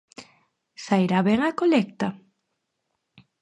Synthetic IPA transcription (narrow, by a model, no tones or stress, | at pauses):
sajɾaβɛŋakolɛk̚t̪a